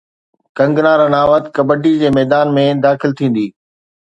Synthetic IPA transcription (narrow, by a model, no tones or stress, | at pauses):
kɐ̃ŋɡnaːɾənaːʋət̪kɐbəɖid͡ʑeːmɛːd̪aːnmẽd̪aːxɪlt̪ʰĩːn̆d̪iː